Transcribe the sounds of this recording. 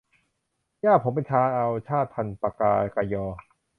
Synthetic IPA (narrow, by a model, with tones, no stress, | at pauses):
jaː˥˩pʰo˩˦mpe˧nt͡ɕʰaː˧˥ʔa˧wt͡ɕʰaː˥˩t̪ʰːa˧npa˧˩kaː˧ka˧jɔː˧